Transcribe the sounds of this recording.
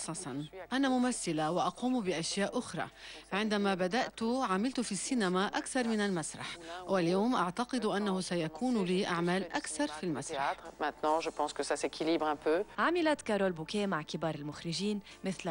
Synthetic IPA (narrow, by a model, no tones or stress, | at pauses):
sˤːɑsˤɑnʔanamʊmaθːɪlawɪʔɑquːmbɪʔaʃjaːʔʔʊxɾˤɑ̰ʕɪnd̪amabad̪aʔt̪ʊʕamɪlt̪ʊfisːiːnamaʔakθɑɾˤmɪnalmasɾˤɑ̰ħwaljoːmʔaʕt̪ɑqɨd̪ʔanːahʊsajakuːnliːʔaʕmaːlʔakθɑɾˤfilmasɾˤɑmɛ̃t̪nɑ̃ʒəpɑ̃ːskəsasekʰiliːbʁɛ̃pøːʕamɪlat̪kaɾˤoːlbukeːmaʕkɪbɑːɾˤɪlmʊxɾɪʒiːn | mɪθl